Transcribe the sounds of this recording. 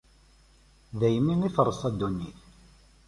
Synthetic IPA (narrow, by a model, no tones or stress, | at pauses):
ðæjəmːiniθəɾˤːəsˤæd̪ːunːiθ